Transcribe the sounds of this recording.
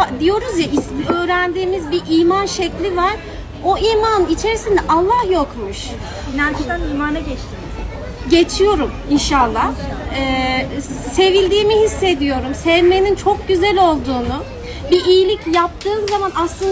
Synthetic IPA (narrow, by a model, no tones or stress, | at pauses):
d̪ijo̞ɾuzjaʔisø̞ːɾænd̪iːmizbiʔiːmanʃɛclʲivaɾ̥ | o̞iːmanɯnit͡ʃʰe̞ɾisind̪ɛʔalˠːahjo̞kmuʃ | inant͡ʃ̪aniːmanaɟɛt͡ʃt̪ʰii | ɟe̞t͡ʃʰijo̞ɾum | inʃalˠːahɛ | se̞vilʲd̪iːmihisːe̞d̪ijo̞ɾumsɛvme̞nint͡ʃʰo̞k̚ɟyzælʲo̞lˠd̪uːnu | biʔiːlʲicjap̚t̪ʰɯːmzamanaslˠɯn